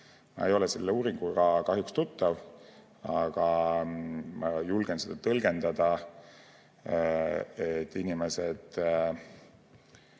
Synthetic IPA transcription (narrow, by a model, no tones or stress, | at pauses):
mɑ̰ejo̞lɛselːeuːɾiŋɡ̥uɡɑkɑɦjukst̪ut̪ːˑɑv | ɑɡ̥ɑ | mʔɑjulɡ̥ensed̪̥ɑt̪ɤlɡ̥e̞nd̪̥ɑd̪̥ɑ | et̪ːinimesed̪̥